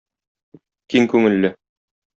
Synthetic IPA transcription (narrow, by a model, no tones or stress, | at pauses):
kiŋkʉŋɘ̆lːɘ